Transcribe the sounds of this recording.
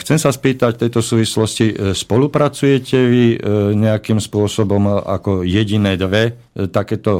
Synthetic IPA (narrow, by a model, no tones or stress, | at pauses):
xt͡sɛmsaspiːt̪act̪ɛjt̪ɔsuːʋislɔscispɔlupɾat͡sujɛcɛʋiɲɛakimspʊɔsɔbɔma̰kɔjɛɟinɛːd̪ʋɛ | t̪akɛːt̪ɔ